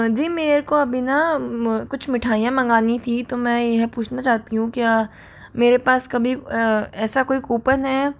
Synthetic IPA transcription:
d͡ʒiːmeːɾkoɐbʱinakʊt͡ʃʰmɪʈʰaːijãmɐ̃ŋɡaːnit̪ʰit̪omɛ̃jeɦpuːt͡ʃʰnat͡ʃaːɦt̪iɦũkjaː | meːɾepaːskɐbʱiɛːsakoːikuːpənɦɛː

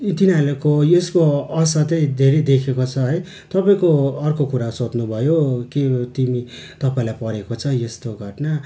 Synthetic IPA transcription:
t̪inalekoeskoʌsʌt̪ʌjd̪ʱeɾejd̪ekʰekot͡sʰʌɦʌj | t̪ʌpaĩkoʌrkokuɾasot̪nubʱʌjoket̪imi | t̪ʌpaĩlajpʌɾekot͡sʰʌjest̪oɡʱʌʈna

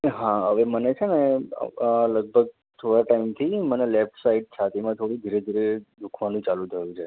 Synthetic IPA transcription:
ɦãɦəʋemənet͡ʃʰenḛ | ləɡ̚bʱəɡ̚ | t̪ʰoɽaʈaimt̪ʰimənelep̚ʈsaiʈ̚sʰat̪ʰemãt̪ʰoɽid̪ʱiɾed̪ʱiɾed̪ukʰʋanũt͡ʃalũt̪ʰəjũt͡ʃʰe

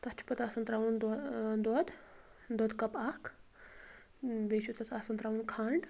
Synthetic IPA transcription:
t̪ɐt͡ʃʰu̥pɐt̪asɐnt̪ɾaʋund̪ɔd̪ɔd̪ | d̪ɔd̪kɐpakʰ | beɕut̪ɐt͡sasɐnt̪ɾaʋunkʰaɳɖ

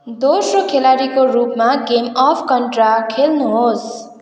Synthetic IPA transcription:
d̪osrokʰelaɾikorupmaɡemʌpʰkʌnʈrakʰelnuɦos

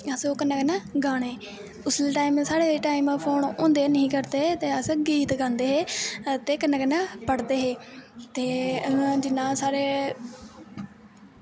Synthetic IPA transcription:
əsokənãːkənãːɡaːɽ̃eː | ʊslʈaːimsaːɽeːeːʈaːiːmpʰoːnõ̰ːnd̪eːnəɦĩːkəɾd̪eːt̪eːəsɡiːt̪ɡãːnd̪eːɦeːt̪eːkənãːkənːãːpəɽd̪eːɦeːt̪eːd͡ʒɪnːãːsaːɾeː

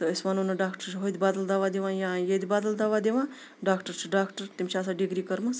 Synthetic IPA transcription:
t̪ɐɪsmanonɐɖaːkʈəɾt͡ʃʰɦojd̪ʲbaːd̪əld̪aːʋaːd̪eʋãːjãjed̪ʲibaːd̪əld̪aːʋad̪eʋãː | ɖaːkʈəɾt͡ʃʰuɖaːkʈəɾt̪imt͡ʃʰaːs̬aɖiɡɾiːkəɾmɐs

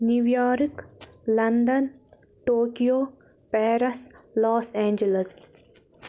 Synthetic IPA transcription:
nuʋjaːɾklɐnd̪ɐn | ʈoːkijoː | pɛːɾɐslaːsẽːɲd͡ʒələs

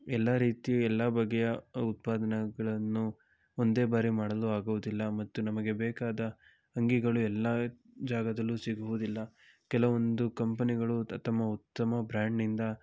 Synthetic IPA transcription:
ɛlːaːɾiːt̪iɛlːabɐɡːɛjɐut̪̚paːd̪ɐnɐɡɐɭɐnːu | ond̪e̞ːbaːɾimaːɽɐluaːɡuʋud̪ilːɐmɐt̪ːunɐmɐɡe̞beːkaːd̪ɐ | ɐŋɡiɡɐɭuɛlːaː | d͡ʒaːɡɐd̪ɐlːusiɡuʋud̪ilːɐ | kɛlɐʋond̪ukɐmpɐniɡɐɭut̪ɐmːɐut̪ːɐmɐbɾaːɳɖnind̪ɐ

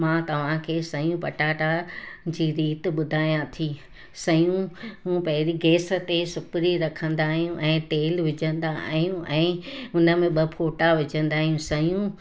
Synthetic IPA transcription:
mãːt̪ɐʋ̤ãkʰeːsɐjũpɐʈaːʈad͡ʑiːɾiːt̪ɪ̆ɓʊd̪ʱaːjãt̪ʰiː | sɐjũɦũːpɐɦɪɾiɡeːsə̆t̪esʊpɪɾiɾɐkʰə̃nd̪aːɦijũʔɛ̃ːʈeːlʋɪd͡ʑʱə̃nd̪aɦijũʔɛ̃ːʊnə̆mẽɓɐpʰoːʈaʋɪd͡ʑʱə̃nd̪aːɦijũsɐjũ

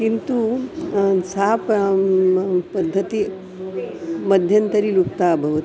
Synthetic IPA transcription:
kint̪u | saɦɐp | pɐd̪ʱːɐt̪i | mɐd̪ʱjɐnt̪ɐɾiluk̚t̪aːbʱɐʋɐt̪i

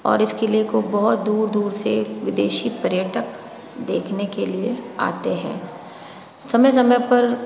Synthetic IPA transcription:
ɔ̰ːɾɪskeliekobɔɦʊt̪̚d̪uːɾd̪uːɾseʋɪd̪eːʃipɐɾjəʈək | d̪eːkʰnekeliea̰ːt̪eɦɛ̰̃ː | sɐməjs̬ɐməjpɐɾ

